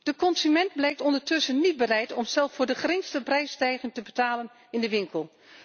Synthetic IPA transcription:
d̥əkɔnsymɛndblɛjk̚tɔndəɹtɵsənːid̚bərɛjtɔmsɛlˠffʊːɹdəχərɪŋstəprɛjstɛjχɪŋtəbətaːlən | ɪndəʋɪŋkəlˠ

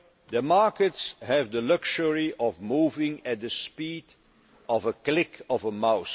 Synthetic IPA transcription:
ðəmɑɹkətshævdəlʌkʃəɹiʔɔvmuːvɪ̃ŋɨt̪̚d̪əspid | ɔvəklɪkʰɔvəmaʊs

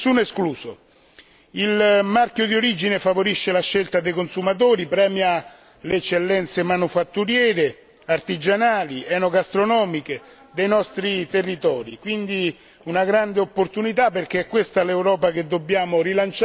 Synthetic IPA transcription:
sunoeskluːso | ilmarkjod̪ioɾid͡ʒinefavoɾiʃːelaʃːelt̪ad̪ejkonsumat̪̬oːɾipɾɛːmja | leɛt͡ʃːelːɛnt̪semanufat̪ːuɾjɛːɾe | art̪id͡ʒanaːliɛnoɡast̪ɾonɔːmike | d̪ejnɔst̪ɾit̪erːit̪ɔːɾikwind̪i | unaɡɾand̪eopːort̪unit̪apːerk̟eɛkːwest̪alewɾɔːpak̟ed̪ːobːjaːmʊrilant͡ʃ

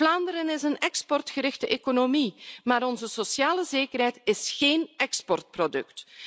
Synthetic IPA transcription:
laːndəɾənɪzənɛkspɔrtxəɾɪxtəʔeːkonomimaːɾɔnzəsosjaːləzeːkərɦɛjtɪsxeːnɛkspɔrt̚prodɵ̰kt

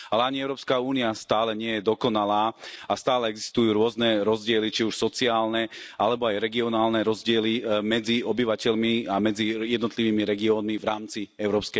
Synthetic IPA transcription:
alɛaɲiɛʊɾɔːpskauːniast̪aːlɛɲɪɛjɛd̪ɔkɔnalaːast̪aːlɛɛɡzi̥st̪ujuːɾʊɔznɛɾɔzɟɪɛlit͡ʃiuʃsɔt͡siaːlnɛ | alɛbɔajɾɛɡiɔnaːlnɛɾɔzɟɪɛlimɛd͡ziɔbiʋacɛʎmiamɛd͡zijɛd̪nɔt̪liʋiːmiɾɛɡiɔːnmivɾaːmt͡siɛʊɾɔːpskɛ

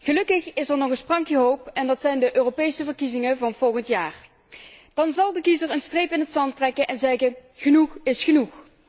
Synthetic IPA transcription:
ɣəlɵkəχɪsɛɹnɔɣəsprɑŋkiɦowpɛndɑtsɛjndəʔøːropejsəvəɹkizɪŋəvɑnvɔlˠɣəntjaːr | d̥ɑnzɑlˠdəkizəɹənstrejpɪnɦətsɑntrɛkəʔɛnzɛɣəχənuxɪsχənux

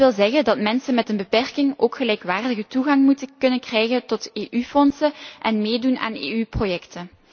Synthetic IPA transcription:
ʋɪlˠzɛɣəndɑtmɛnsənmɛtənbəpɛrkɪŋoːkxəlɛjkʋaːrdəɣətuɣɑŋmutəkɵnənkrɛjɣəntɔteːʔyfɔnsəʔɛnmeːduna̰ːnḛːyprojɛktə

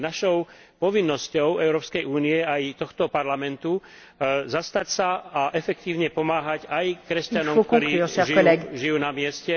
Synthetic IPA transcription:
naʃɔʊ | pɔʋinːɔscɔʊɛʊɾɔːpskɛjuːniɛajt̪ɔxt̪ɔpaɾlamɛnt̪u | zast̪acsaaʔɛfɛk̚t̪iːʊɲɛpɔmaːɦacajkɾɛsc̪anɔmktkɔɾiːsʒiʒijuːnamɪɛscɛ

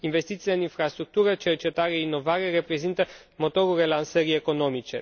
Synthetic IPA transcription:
inve̞st̪it̪sileɨninfɾast̪ɾuk̚t̪uɾət͡ʃe̞rt͡ʃe̞t̪aɾeeinːo̞vaɾe̞re̞pɾe̞zint̪ə | mo̞t̪o̞ɾulre̞lansəɾie̞ko̞no̞mit͡ʃe̞̰

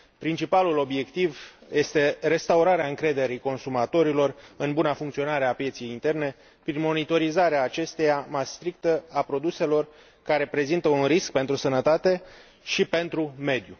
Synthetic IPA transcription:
pɾint͡ʃipalulo̞bje̞kt̪ivje̞st̪e̞re̞st̪auɾaɾeaɨŋkɾe̞d̪e̞ɾiko̞nsumat̪o̞ɾilo̞rɨnbunafuŋkt̪sio̞naɾe̞apje̞t̪sijejint̪e̞rne̞ | pɾinmo̞nit̪o̞ɾizaɾeaːt͡ʃe̞st̪e̞jamajst̪ɾik̚t̪əapɾo̞d̪use̞lo̞r | kaɾe̞pɾe̞zint̪əunrisk̚pe̞nt̪ɾusənət̪at̪e̞ | ʃipe̞nt̪ɾume̞d̪ju

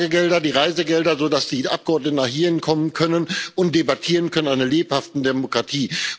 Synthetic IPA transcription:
ɡəɡɛldɐdiːʁaɪzəɡɛldɐzoːdasd̥iːʔa̰p̚ɡ̥əɔɐdnətənaχhiːɪnkʰɔmənkʰœnənʊnt̚d̥ebatʰiːʁənkʰœnənaɪnɐleːphaftn̩demokʁ̥atʰiː

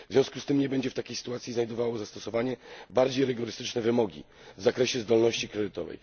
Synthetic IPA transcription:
vzvʲjɔ̃w̃skust̪ɘmɲɛbɛɲd͡ʑɛft̪akʲejsɘ̥t̪uwat̪sʲiznajd̪ɔvawɔzast̪ɔsɔvaɲɛbaɾd͡ʑejɾɘɡɔɾɘst̪ɘt͡ʂnɛvɘmɔɡʲḭ | vzakɾɛɕɛzd̪ɔlnɔɕt͡ɕikɾɛd̪ɘt̪ɔvɛ̰j

